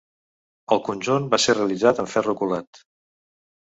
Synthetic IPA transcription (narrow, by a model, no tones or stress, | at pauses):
əlˠkunʲʒunbasereəlid͡zat̪əɱfɛrukulat̪